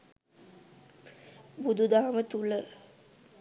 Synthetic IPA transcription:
bud̪ud̪aːmət̪ulə

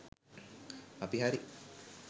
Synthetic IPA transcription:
apiɦaɾi

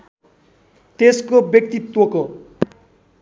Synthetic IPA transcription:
t̪eskobjʌk̚t̪it̪woko

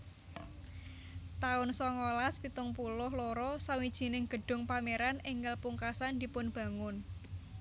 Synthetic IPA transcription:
t̪aʊnsɔŋolaspit̪ʊŋpulʊhloɾɔsawid̥ʒ̥i̤nɪŋɡ̥ə̤ɖ̥ʊ̤ŋpameɾanɪŋɡəlpuŋkasand̪i̤pʊnb̥ä̤ŋʊn

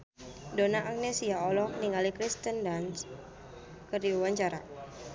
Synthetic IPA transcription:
donaʔaknesiaɔlɔniŋalikɾist̪əndans | kərdiuwaɲt͡ʃaɾa̰

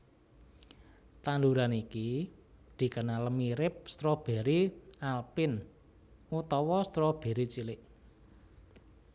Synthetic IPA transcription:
t̪and̪uɾanikid̪̥i̤kənaləmiɾɪp̚st̪ɾɔb̥e̤ɾialpɪn | ut̪ɔwɔst̪ɾɔb̥e̤ɾit͡ʃilɪʔ

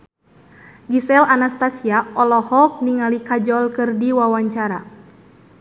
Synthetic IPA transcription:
ɡisɛlanast̪asiaɔlɔhɔk̚niŋalikad͡ʒɔlkɨrdiwawaɲt͡ʃaɾa

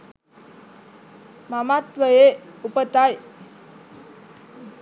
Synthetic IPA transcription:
mamat̪ʋəjeupət̪aj

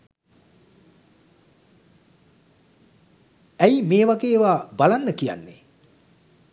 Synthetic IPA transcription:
æimeːʋaɡeːʋaːbalanːəkija̰nːe

